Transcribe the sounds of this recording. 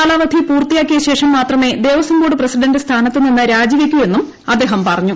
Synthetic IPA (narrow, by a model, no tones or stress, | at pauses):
aːlaːʋɐd̪ʱipuːrt̪ijaːkʲːiɣɐɕe̞ːʂɐmːaːt̪rɐme̞ːd̪e̞ːʋɐsɐmɡoːɽɨprɐsiɖɐndɨst̪ʰaːnɐt̪ːininːɨɾaːd͡ʑiʋikʲːue̞nːum | ɐd̪ːe̞ːɦɐmpɐrɐɲːu